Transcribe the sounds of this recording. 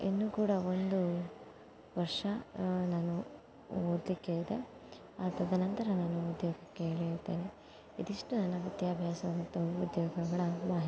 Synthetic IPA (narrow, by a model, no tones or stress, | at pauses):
inːuːkuːɽɐond̪u | ʋɐɾʂɐnaːnu | oːd̪likːeːɭid̪e | at̪ɐd̪ɐnɐnt̪ɐɾɐnaːnuud̪joːɡɐkːeeːɭiɾt̪ːeːne | id̪iʂʈunɐnːɐʋit̪jaːbʱjaːsɐʋɐnt̪ɐud̪jɔːɡɐɡɐɭɐmaːɦi